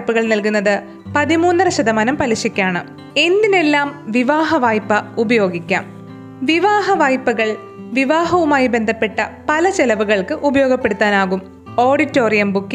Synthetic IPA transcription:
pːuɣɐɭnɐlk̬unːɐðɨ | pɐðimuːnːɐrɐɕɐd̪ɐmaːnɐmpɐlɐɕikʲːaːɳɨ | e̞nd̪ine̞lːaːmʋiʋaːɦɐʋaːjpːɐubɐjo̞ːɡikʲːa̰ːm | ʋiʋaːɦɐʋaːjpːɐɣɐɭ | ʋiʋaːɦɐʋumaːjibend̪ʱɐpːe̞ʈːɐpɐlɐt͡ɕelɐʋuɣɐɭkɨʔubɐjo̞ːɡɐpːe̞ɽut̪ːaːnaːɣum | o̞ːɽitːo̞ːrijɐmbukːi

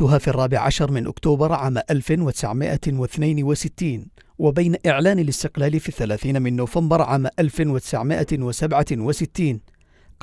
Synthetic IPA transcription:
ʊɦaːfiːɑrˤːɑːbɪʕa̰ʃɑɾˤmɪnʔʊ̰kt̪uːbɑɾˤʕaːmaʔalfɪwat̪ɪ̥sa̰ʕmɪ̰ʔa̰wɪθnajnwasɪt̪ːiːn | wabajnaʔɪʕlaːnalɪst̪ɪqlaːlfiːθːalaːθiːnamɪnːʊːfambɑɾˤʕaːmaʔalfɪnwat̪ɪ̥saʕmɪʔawasabʕawasɪt̪ːiːn | q

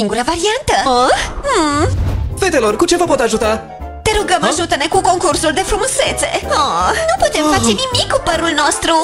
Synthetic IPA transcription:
iŋɡuɾɐvaɾiɐnt̪ɐo | vet̪eloɾkut͡ʃevɐpot̪aʒut̪a | t̪eɾuɡɐmaʒut̪ɐnekukõŋkuɾsuld̪efɾumoset̪seɔnɐ̃w̃pot̪emfat͡ʃenimikupɐɾulnɔst̪ɾu

